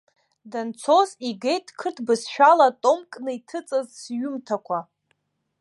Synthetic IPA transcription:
dant͡sʰo̞ziɡejtʼʰkʰɨtʰbɨsʃᶣalatʼo̞mkʼnɨitʰɨt͡sʼazsɥʊmtʰakʷʰa

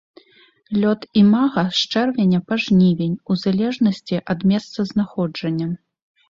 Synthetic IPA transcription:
lʲɔt̪imaɣɐʂt͡ʂɛrvʲenʲɐpaʐnʲivʲenʲuzalʲɛʐnɐsʲt͡sʲiʔɐd̪mʲɛst̪sɐznaxɔd͡ʐɐnʲːɐ

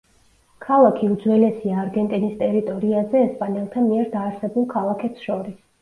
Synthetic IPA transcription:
kʰalˠakʰiud̪zwɛlɛsiaːɾɡɛnt̪ʼinist̪ʼɛɾit̪ʼɔɾiazɛːspʼanɛlˠt̪ʰamiɛɾd̪aːɾsɛbulˠkʰalˠakʰɛpsʃɔɾis

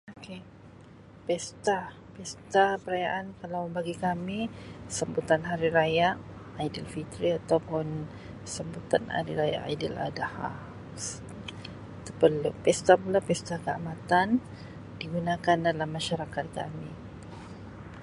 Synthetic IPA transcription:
oke | pɛst̪a | pɛst̪apəɾajaʔankalawməmbaɡikamisəmbut̪anɦaɾiɾajaʔajdilfit̪ɾiat̪awpʊn | səmbut̪ana̰ɾḭɾaja̰ʔa̰idila̰daha̰ | t̪əpəlupɛst̪apulapɛst̪akəamat̪an | diɡunãkandalamːaʃaɾakat̪̚ka̰mi

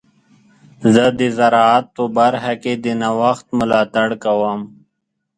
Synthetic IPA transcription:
zəd̪izɐɾaːt̪̚pobɐɾɦɐked̪inawɐxt̪mʊlaːt̪aɽkawam

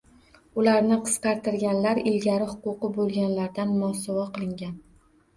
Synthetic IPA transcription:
ʊlaɾnɪqʰɨ̥sqɑɾt̪ɪɾɡʲanlaɾɪlɡʲaɾɪhʊqʊqɨbolˠɡʲanlaɾd̪anmɒsɒvɒqɨlˠɪŋɡʲan

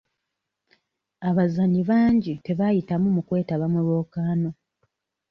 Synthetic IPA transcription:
aβazaɲiβaːɲɟite̞βajitamumukwe̞ːtaβamulwo̞ːkaːno̞

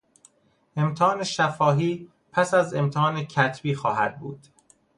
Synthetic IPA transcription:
ʔe̞mt̪ʰeɒːne̞ʃæfɒːɦiː | pʰæsæze̞mt̪ʰeɒːnecʰæt̪ʰbiːxɒːɦæ̰d̪̥̚bṵːd̪̥

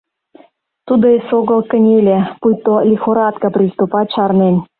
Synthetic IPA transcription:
t̪ud̪oesoɣə̆lkə̆nʲelʲepujt̪olʲixoɾɑt̪kɤprʲist̪upɑt͡ɕɑrnenʲ

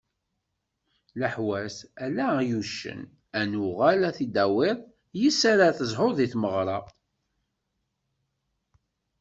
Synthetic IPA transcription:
ləħwæsælæjuʃːə̰n | ænʊʁælæθid̪æwɪðˤ | jisaɾaθəzˤħoɾðˤiθməʁɾˤɑ

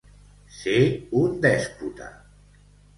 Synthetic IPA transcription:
seund̪ɛsput̪a̰

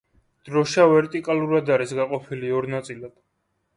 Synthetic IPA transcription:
d̪̥ɾɔʃavɛɾt̪ʼikʼalˠuɾad̪aɾisɡaqʼɔpʰiliɔɾnat̪sʼilad̪̥

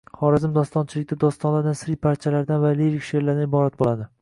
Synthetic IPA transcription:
χɒɾazɪmd̪ɒst̪ɒnt͡ʃʰɪlɪk̚ʲd̪ad̪ɒst̪ɒnlad̪asɾijpʰaɾt͡ʃʰalaɾd̪anvaleɾɪkʲʃeɾlaɾd̪anɪbɒɾat̪̚bolˠad̪ɪ

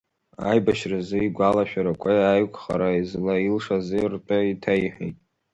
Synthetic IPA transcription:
a̰jbaʃrazɨiɡʷalaʃᶣaɾakʷʰʼajajkʷʰʼχaɾaizlailʂazɨrtʼaitʰajħḛjtʼ

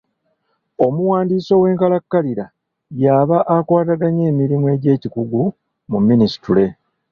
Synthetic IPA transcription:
o̞muwaːndiːso̞ːwe̞ːŋkalakːaliɾa | jaːβaʔakwaːtaɡaɲe̞ːmiɾimue̞ːɟe̞ːcikuɡu | mumːinisi̥tule̞

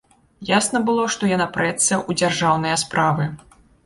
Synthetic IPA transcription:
jasnɐbɨlˠɔʂt̪ɔjanapɾɛt̪sɐʔud͡zʲarʐawnɐjɐspɾavɨ

